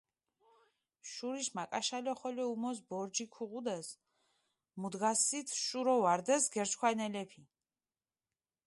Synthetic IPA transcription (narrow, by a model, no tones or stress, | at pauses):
ʃuɾiʃmakʼaʃalɛχɔlɛumɔs̬bɔɾd͡ʒikʰuʁud̪ɛs | mud̪ɡasit̪ʰʃuɾɔvaɾd̪ɛsɡɛɾt͡ʃʰkʰwanɛlɛpʰi